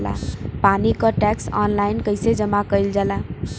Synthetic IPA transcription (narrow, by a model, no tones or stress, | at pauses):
la̰panikəʈɛksa̰nlaɪnkəɪsed͡ʒəmakəjld͡ʒala